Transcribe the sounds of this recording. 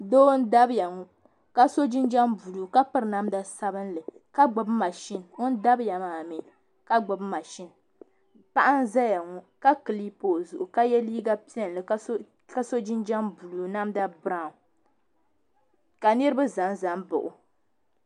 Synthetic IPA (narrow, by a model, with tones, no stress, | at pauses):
doː˦n̩˦da˦bja˨ŋɔ˨ | ka˦so˦d͡ʒi˦nd͡ʒa˦mbu˨luː˨ka˦pɨ˦ɾna˦mda˦sa˦bɨ˦nlɨ˨ | ka˦ɡ͡bɔ˨bma˨ʃi˦n˨ŋʊ˦n˦da˦bja˨maː˨mi˦ | ka˦ɡ͡bʊ˨bma˨ʃi˦n˨ | pa˦ʔa˦n˦za˦ja˨ŋɔ˦ | ka˦kɨ˨li˦poː˨zu˨ʔu˨ka˦jɛ˦liː˦ɡa˦pi˦ɛ˦n˨lɨ˨k | ka˦so˦d͡ʒi˦nd͡ʒa˦mbu˨luː˨na˦mda˦bɾa˦˨ | ka˨nɨ˦ɾɨ˦ba˦za˨nza˨˦mbʊ̰˨ʔʊ˨